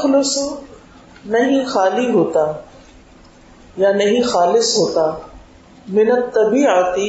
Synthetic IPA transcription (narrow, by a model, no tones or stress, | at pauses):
xlʊs | nɐɦĩxaːliɦoːt̪aː | janɐɦĩxaːlɪsɦoːt̪aː | mɪnət̪t̪ːɐbiːət̪i